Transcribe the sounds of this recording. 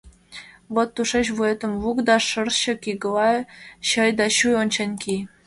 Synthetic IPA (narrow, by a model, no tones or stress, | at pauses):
ʋot̪ːuʂeɕvuet̪ə̆mvukd̪ɑʂɤ̆rɕɤ̆kʲiɡɤlɑɕɤ̆jd̪ɑɕujonʲt͡ɕenʲkʲij